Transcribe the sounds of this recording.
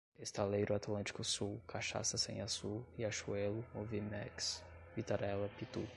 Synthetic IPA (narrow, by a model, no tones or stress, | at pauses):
est̪alejɾʊat̪lɐ̃t͡ʃi̥kʊsuwkʰaʃa̰sɐsḛ̃j̃asuiaʃuɛlʊovimɛ̰kspit̪aɾɛlɐpit̪ṵ